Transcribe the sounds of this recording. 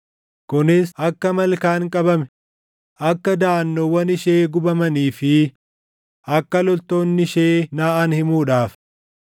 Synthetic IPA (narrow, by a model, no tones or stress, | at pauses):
kʊnɪsʔɐkːɐmɐlkaːŋkʼɐbɐmɛ̥ | ʔɐkːɐd̪aːnːɔwɐnɪʃeːɡʊbɐmɐniːfɪ | ɐkːɐlɔlt̪o̞ːnːɪɪʃeːnaːʔanhɪmuːᶑaːf